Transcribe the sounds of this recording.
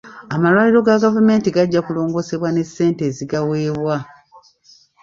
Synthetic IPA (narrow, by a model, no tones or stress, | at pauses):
amalwaːliɾo̞ɡaɡavume̞ːntiɡaɟːakulo̞ːŋɡo̞se̞βwane̞sːe̞ːnte̞ːziɡawe̞ːβwa